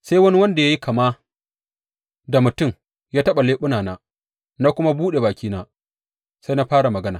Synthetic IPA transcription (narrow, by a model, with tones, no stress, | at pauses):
sa˦jwɐ˦ni˦wɐ˦nda˨ja˦ji˦kʰa˨maː˦ | da˨mʊ˨tʊ˦m | jaː˦tɐ˦ɓa˨leː˦ɓʊ˦naː˨naː˦ | naː˦kʷʊ˦ma˦buː˦ɗe˨baː˨kʲiː˦naː˦ | sa˦jna˦ɸaː˦ɽa˨mɐ˨ɡɐ˦naː˨